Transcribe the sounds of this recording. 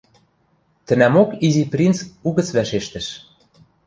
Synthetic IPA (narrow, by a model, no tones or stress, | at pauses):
t̪ə̆næmokiziprʲint͡suɣə̆t͡sβæʃeʃt̪ə̆ʃ